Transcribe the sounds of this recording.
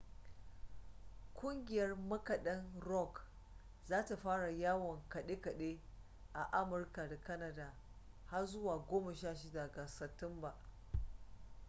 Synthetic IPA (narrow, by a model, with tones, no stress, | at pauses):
kʷʼʊ˦ŋɡʲɪ˨jɐ˦rmɐ˦kɐ˨ɗɐ˦nɾɔ˦˨k | zaː˦ta˨ɸaː˦ɽa˨jaː˦wɔ˨ŋkɐ˨ɗe˦kɐ˨ɗe˦ | ʔa˨ʔa˦mʊ˨rka˨da˨kɐ˦nɐ˨daː˨ | ha˦rzʊ˦waː˨ɡʷoː˦mɐ˨ʃaː˦ʃ̬ɪ˦da˨ɡa˨sɐ˨tɪ˦mba˨